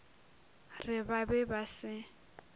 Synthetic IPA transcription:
rɪbabɛbasɪ

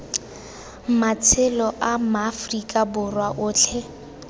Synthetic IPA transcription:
mat͡sʰɪlɔʔamaːfrikʼabʊrwaʔʊːt͡ɬʰɛ

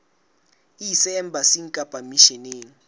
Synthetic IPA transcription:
isɛːm̩bʱasiŋkʼab̥ʱʼamiʃɛneːŋ̩

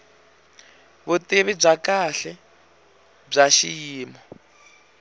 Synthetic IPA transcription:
βuteβib͡ʐakaɬɛ | b͡ʐaʃiiːmɔ

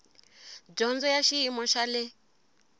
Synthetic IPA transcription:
d͡ʒɔnd͡zɔjaʃiimɔʃalɛ

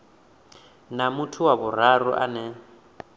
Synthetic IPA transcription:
namutʰʊwabʊr̤arʊʔa̰nɛ

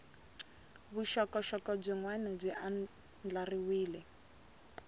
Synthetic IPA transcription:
βuʃɔkɔʃɔkɔb͡ʐiŋwɛnɛb͡ʐʷiʔa | nd͡ɮariwiːlɛ

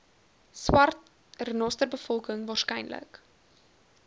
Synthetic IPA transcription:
swɐrt | rnɔstərbəfɔlˠkəŋvɑːrskɛjnlə̰k

